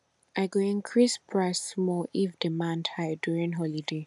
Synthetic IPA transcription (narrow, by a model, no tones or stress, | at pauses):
ʔaɪɡoĩnkʰɹisbɹasmɔʔivdimãndhaɪdjuɹĩnɦɔlide